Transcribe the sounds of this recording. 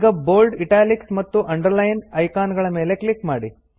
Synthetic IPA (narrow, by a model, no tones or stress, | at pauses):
ɡɐboːlɖiʈaːliksmɐt̪ːuʔɐɳɖɐɾlɐjnɐjkaːnɡɐɭɐme̞ːle̞kɭikmaːɽi